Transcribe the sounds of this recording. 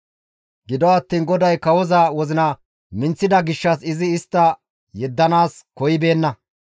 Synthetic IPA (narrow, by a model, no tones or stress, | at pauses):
ɡɪd̪ɔɐt̪ːiːnɡɔd̪ɐjkɐwɔzɐwɔzɪnɐ | mɪnt͡sːɪd̪ɐɡɪʃːɐsɪzɪːst̪ːɐ | jɛd̪ːɐnaːskɔjɪbe̞ːnːɐ